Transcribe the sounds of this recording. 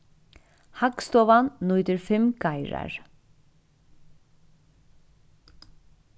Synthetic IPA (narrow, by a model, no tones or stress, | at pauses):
hɑɡst̪oːʋɑnnɔʏd̪əɹfɛmɡ̥ɑɪɹɑ̰ɹ